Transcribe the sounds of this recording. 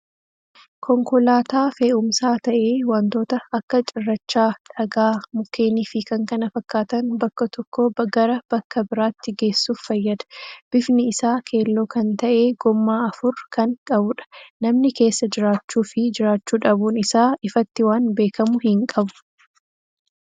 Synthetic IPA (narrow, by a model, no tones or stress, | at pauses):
kɔŋkɔlaːt̪aːfeːʔʊmsaːt̪ɐʔe̞ːwant̪o̞ːt̪ɐɐkːɐt͡ʃʼɪrːɐt͡ʃːaːᶑɐɡaːmʊkʰeːniːfɪkɐŋkɐnɐfɐkːaːt̪ɐnbɐkːɐt̪ɔkːobɡɐɾɐb̥ɐkːɐbɪɾaːt̪ːɪɡe̞ːsːuːffɐjːɐd̪ɐ̥b̥ɪfnɪɪsaːkʰe̞ːlːo̞ːkɐnt̪ɐʔe̞ːɡɔmːaːɐfʊɾkɐŋkʼɐbʊᶑɐ̥nɐmnɪke̞ːsːɐd͡ʒɪɾaːt͡ʃːuːfɪd͡ʒɪɾaːt͡ʃːuːᶑɐbuːnɪsaːɪfɐt̪ːɪwaːnbe̞ːkɐmʊhɪŋkʼɐbʊ̥